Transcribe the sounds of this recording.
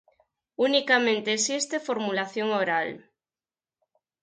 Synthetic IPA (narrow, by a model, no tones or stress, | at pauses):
unikamẽnt̪eːsist̪efoɾmulaθjoŋoɾal